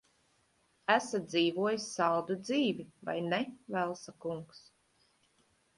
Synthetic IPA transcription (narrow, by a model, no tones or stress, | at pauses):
æsad̪ziːvuɔjisːɑlˠd̪ud̪ziːviva̰jnɛvælˠsakuŋks